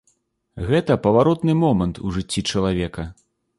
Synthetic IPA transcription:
ɣɛt̪ɐpɐvaɾɔt̪nɨmɔmɐnt̪ʰuʐɨt͡sʲːit͡ʂɐlˠavʲɛkɐ

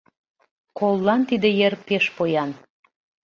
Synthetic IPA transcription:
kolːɑnt̪id̪ejerpeʃpojɑn

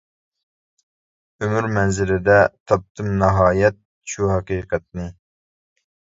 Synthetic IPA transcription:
ømyɾmɛnzɪlɪd̪ɛt̪ʰɑp̚t̪ʰɨmnɨɦɑːjɛt̪̚ | ʃuɦɑqiːqɛt̪̚nɨ

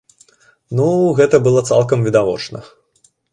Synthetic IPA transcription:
nuɣɛt̪ɐbɨlˠɔt̪sa̰lˠkɐmvʲid̪avɔ̰t͡ʂnɐ̰

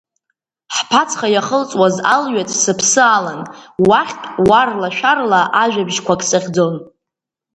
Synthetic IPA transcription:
ħpʰat͡sʰχajaχəlt͡sʼwazalɥatʼsɨpʰsɨalanwaχʲtʼwarlaʃᶣarlaʔaʒᶣabʒkʷakʼsɨχʲd͡zon

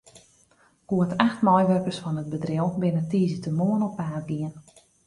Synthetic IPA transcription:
ɡ̥oətʰaxtmɔjʋørkərsfɔnət̚bədrɪəlˠbɪnətiːzətəmoənɔpaːrɡiən

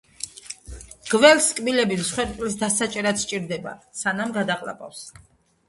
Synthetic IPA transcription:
ɡ̥vɛlskʼbilɛbimsχwɛɾpʼlisd̪asat͡ʃʼɛɾat̪sʰt͡ʃʼiɾd̪ɛba̰sanamɡad̪aqʼla̰pʼa̰fs

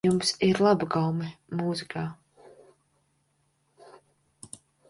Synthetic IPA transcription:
umsiɾlˠabaɡawmɛmuːzikʰaː

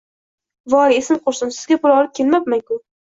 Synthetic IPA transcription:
vɒɾesɪmqʰoɾsɪnsɪzɡʲapʊlˠɒlˠɪp̚kʰʲe̞lmapmaŋkʲʊ

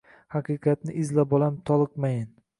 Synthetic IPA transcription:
hɑqɨqʰɑt̪̚nɪʔɪzlabɒlamt̪ʰɒlˠɨqmajɪn

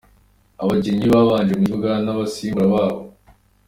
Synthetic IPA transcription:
aβaɟe̞ɲiβaːβaːnʒemuzuɡanaβasiːmuɾaβaːβo

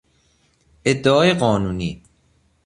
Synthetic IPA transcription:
ʔe̞d̪ːeɒːjeɢɒːnuːniː

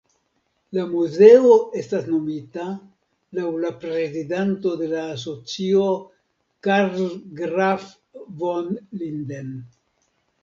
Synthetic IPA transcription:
lamuze̞o̞e̞stasno̞mita | lawlapɾe̞zidanto̞de̞laːs̬o̞t͡sio̞ | kaɾlɡɾaf | vonlinden

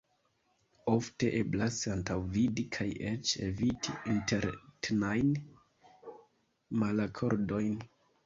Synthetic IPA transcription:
o̞fte̞ʔe̞blasantawvidikʰaje̞t͡ʃe̞̰vitʰiinte̞ɾtnajn | malakʰo̞ɾdo̞jn

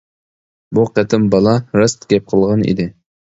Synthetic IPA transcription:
buqæt̪ʰɪmbɑlˠɑɾɑst̪ɡʲɛp̚qʰəlˠʁɑnḭd̪ɪ

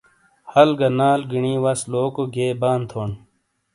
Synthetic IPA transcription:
hɐlɡɐnaːlɡiɳiːwɐsloːkoɡeːbaːnt̪ʰoːn

